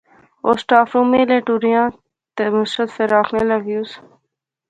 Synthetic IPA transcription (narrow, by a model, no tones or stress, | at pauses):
oːsʈaːfɾũːmẽːleːʈuːɾijãː | t̪emʊsɾət̪feɾaːkʰneːləɡjuːs